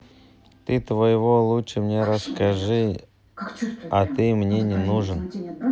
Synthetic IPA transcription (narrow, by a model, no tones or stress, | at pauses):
t̪ɨt̪vɐjɪvolˠuʂəmnʲeɾɐskaʐɨ | ɐt̪ɨmnʲenʲɪnuʐən